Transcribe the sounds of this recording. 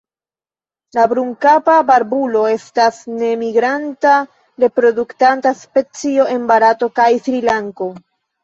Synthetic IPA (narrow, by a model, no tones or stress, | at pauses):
labɾuŋkapabaɾbulo̞e̞stasne̞miɡɾanta | ɾe̞pɾo̞duktantaspe̞t͡sio̞ʔe̞nbaɾato̞kajfɾilaŋko̞